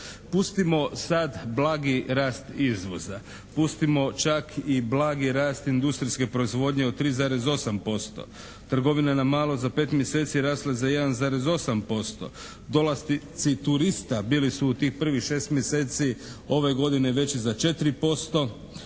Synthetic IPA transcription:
puːst̪imo̞sad̪blˠaːɡiɾaːst̪izʋo̞̰za | pust̪imo̞t͡ʃakʰiblaːɡiɾaːst̪ind̪ust̪ɾiske̞pɾo̞izʋo̞ːd̪ɲeot̪ɾiːzaːɾe̞zo̞sampo̞st̪o̞̰ | t̪r̩ɡo̞ʋinanamaːlˠo̞zape̞ːt̪mjese̞ːt̪siɾaːslazaje̞d̪anzaːɾe̞zo̞sampo̞st̪o̞̰ | d̪o̞lˠast̪it̪sit̪uɾist̪abiːlisuːt̪iːxpr̩ʋixʃe̞ːst̪mjese̞ːt̪sio̞ʋe̞ɡo̞d̪ine̞ʋe̞t͡ɕizat͡ʃe̞t̪ɾipo̞st̪o̞

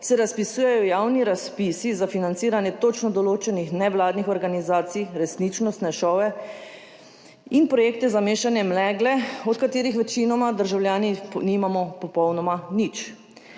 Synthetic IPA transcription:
sɛɾaspisuːjɛjɔjawniɾaspiːsizafinant̪siːɾanjɛt̪ot͡ʃnɔd̪ɔloːt͡ʃɛnixnɛwlaːd̪nixɔɾɡanizaːt̪sijɾɛsnit͡ʃnɔst̪nɛʃɔːʋɛ | inpɾɔjeːk̚t̪ɛzameːʃanjɛmlɛɡlɛɔt̪kat̪eːɾixʋɛt͡ʃinɔmad̪əɾʒawljaːninimamɔpɔpɔwnɔmanit͡ʃ

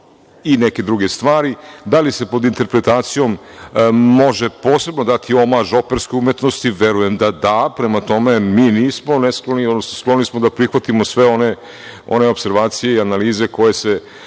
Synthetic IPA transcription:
ineke̞d̪ɾuɡe̞st̪ʋaːɾid̪alise̞po̞d̪int̪e̞ɾpɾet̪aːt̪sijo̞mː | o̞ʒepo̞ːse̞bno̞d̪at̪ʰio̞maʒo̞pe̞ɾskeumjet̪no̞st̪iʋe̞ɾuje̞md̪ad̪apɾemat̪o̞me̞miːniːsmo̞nesklˠoniod̪nosnosklˠo̞nismod̪apɾixʋat̪imosʋe̞o̞ne | o̞̰ne̞o̞pse̞ɾʋaːt̪sijeianaliːze̞ko̞je̞se̞

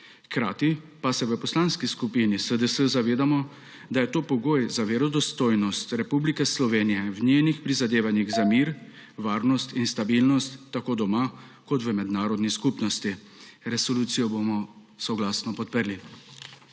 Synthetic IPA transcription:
xkɾa̰ːt̪ipasɛʋəpɔslanskiskupinisəd̪əsəzaʋeːd̪amɔ | d̪ajɛt̪oːpɔɡoːjzaʋeɾɔd̪ɔst̪oːjnɔst̪ɾɛpublikɛslɔʋeːnijɛwnʲeːnixpɾizad̪eːʋanjiɣzamiːɾ | ʋaːɾnɔst̪inst̪abilnɔst̪ːakoːd̪ɔma | kɔt̪ʋəmɛd̪naːɾɔd̪niskupnɔst̪i | ɾɛsɔluːt̪sijɔbomɔ | sɔɡlaːsnɔpɔt̪̚pəɾli

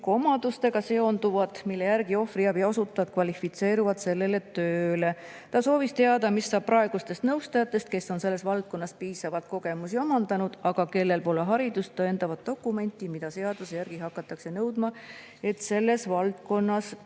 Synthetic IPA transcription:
ko̞mɑd̪̥ust̪e̞ɡ̥ɑse̞o̞nd̪uvɑt̪milːe̞jæɾɡio̞friɑbjɑo̞sut̪ːˑɑvɑt̪̚kvɑlʲifit̪se̞ːɾuvɑd̪se̞lːe̞let̪ø̞ːle̞ | t̪ɑso̞ːvist̪e̞ɑd̪ɑmisːɑːb̥̚pːrɑe̞ɡ̥ust̪e̞st̪nɤwst̪ɑjɑt̪ːˑe̞st̪̚ke̞sːo̞nse̞lːesvɑlt̪̚ko̞nːɑspiːsɑvɑt̪̚ko̞ɡe̞musio̞mɑnd̪̥ɑnud̪̥ɑɡ̥ɑke̞lːe̞lpo̞ːleɦɑɾid̪̥ust̪ːoend̪ɑvɑd̪̥̚ːo̞kːˑume̞nʲt̪ˑːimid̪ɑse̞ɑd̪̥usjærɡ̥iɦɑkːˑɑt̪ːˑɑkse̞nɤwd̪̥mɑ | e̞t̪se̞lːe̞svɑlt̪̚ko̞nːɑs

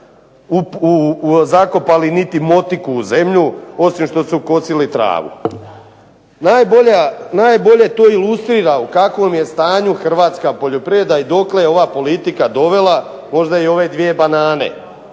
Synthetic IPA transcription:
uuzako̞palinit̪imo̞t̪ikuːze̞mʎuo̞simʃt̪o̞suko̞silit̪ɾa̰ːʋṵ | najboanaːjbo̞ʎe̞t̪o̞ːilust̪ɾiːɾaukakʋo̞mje̞st̪aːɲuxr̩ʋaːt̪skapo̞ʎo̞pɾied̪aid̪o̞kle̞jeo̞ʋapo̞lit̪ikad̪o̞ʋe̞la | mo̞ʒd̪aio̞ʋe̞d̪ʋije̞banaːne̞̰

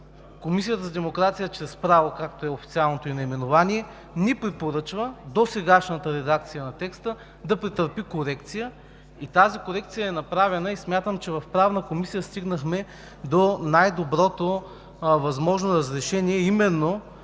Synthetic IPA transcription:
komisijət̪əzɐd̪ɛmokɾat̪sijət͡ʃɾɛspɾavokak̚t̪oɛofit̪sialˠnot̪oinɐimɛnovaniɛ | nipɾɛpoɾɤt͡ʃvəd̪osɛɡaʃnət̪əɾɛd̪ak̚t̪sijənɐt̪ɛkst̪ə | d̪ɐpɾit̪əɾpikoɾɛkt̪sijə | it̪azikoɾɛk̚t̪sijəɛnɐpɾavɛnəismʲjat̪əmt͡ʃɛvɐfpɾavnəkomisijəst̪iɡnəxmɛ | d̪onajd̪obɾɔt̪o | vɐzmɔʒnoɾɐzɾɛʃɛniɛimɛnːo

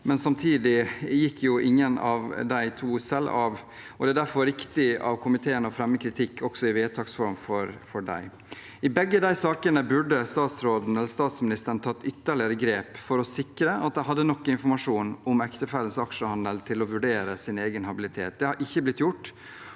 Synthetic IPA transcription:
mɛnsɑmt̪ʰiːd̪ɪjɪkːjʊʔɪŋːənɑ̰ʋd̪æɪt̪ʰuːsɛlːɑʋ | ɔd̪ɛæːd̪æɾfɔɾːɪkt̪ɪɑ̰ʋkʰʊmɪt̪ʰeːənəɔfɾɛmːəkʰɾɪt̪ʰɪkʰːɔksɔɪʋeːt̪ʰɑːksfɔɾmfɔɾfɔɖæ̰ɪ | ɪbɛɡːəd̪æɪsɑːkənəbʉɖəst̪ɑːt̪sɾoːd̪n̩ɛləɾst̪ɑːt̪smɪnɪst̪əɾəɳ̩t̪ʰɑt̪ːʏt̪ːəɭɪəɾəɡɾeːpfɔɾɔsɪkːɾəʔɑt̪̚d̪æɪɦɑd̪ːənɔkːɪnfɔɾmɑʂuːnɔmɛkt̪əfæːlənsɑkʂəhɑnd̪əlt̪ʰɪlɔʋʉɖeːɾəsɪneːɡənhɑbɪlɪt̪ʰḛːt̪̚d̪ɛhɑʔɪçːəblɪt̪jʊʈː

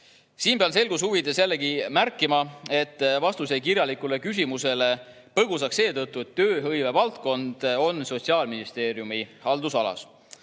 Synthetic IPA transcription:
siːnbeɑnse̞lɡ̥usuvid̪esjælːekimærkːˑimɑe̞t̪ːˑvɑst̪use̞jkirjɑlikule̞kys̬ʲimuse̞le̞ | pɤɡ̥us̬ɑkse̞ːt̪ɤt̪ˑːue̞t̪ːø̞ːɦɤjve̞vɑlt̪ko̞nd̪̥o̞nːso̞t̪ʲsiɑːlminist̪e̞ːɾjumihɑld̪usɑlɑ̰s

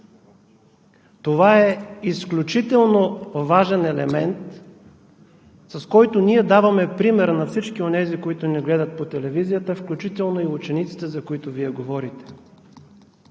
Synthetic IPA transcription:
t̪ovaɛisklʲut͡ʃit̪ɛlˠnovaʒɛnɛlɛmɛnt̪ | sɐskɔjt̪ʊnʲiɛd̪avɐmɛpɾimɛɾnɐfsit͡ʃkionɛzikoit̪ʊnɛɡlɛd̪ət̪̚pot̪ɛlɛvizijət̪əfklʲut͡ʃit̪ɛlˠnoiut͡ʃɛnit̪si̥t̪ɛzɐkoit̪ʊviɛɡovɔɾit̪ɛ̥

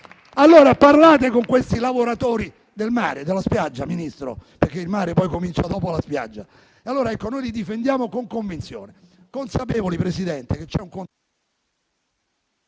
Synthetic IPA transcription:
alːoːɾaparlaːt̪ekoŋkwest̪ilavoɾat̪oːɾi | d̪elma̰ːɾed̪elːaspjad͡ʒːaminist̪ɾo̰perk̟ːeilmaːɾepɔjkomint͡ʃad̪ɔːpoalaspja̰d͡ʒːa | ealːoːɾaɛkːonojlid̪ifend̪jaːmokoŋkoɱvint̪sjo̰ːnekonsapeːvolipɾesid̪ɛnt̪ek̟et͡ʃːɛuŋkon

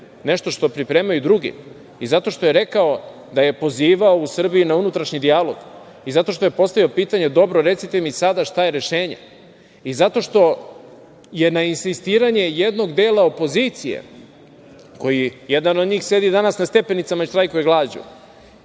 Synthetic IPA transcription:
ne̞ʃt̪o̞ʃt̪o̞pɾipɾe̞ːmajud̪ɾuɡḭ | izat̪o̞ʃt̪o̞je̞ɾe̞kao | d̪aje̞po̞ziːʋaousr̩bijinaunut̪ɾaʃɲid̪ialo̞ɡ | izat̪o̞ʃt̪o̞jepo̞st̪aʋio̞piːt̪aɲe̞d̪o̞bɾoɾe̞t̪sit̪emisad̪aʃt̪ajeɾe̞ʃe̞ːɲa̰ | izat̪o̞ʃt̪o̞ | je̞nainsist̪iːɾaɲe̞jed̪no̞ɡd̪e̞ːlˠao̞po̞zit̪sijḛ | ko̞jijed̪anod̪ɲiːxse̞d̪id̪anasnast̪e̞pe̞nit̪samaiʃt̪ɾajkojeɡlˠaːd͡ʑṵ

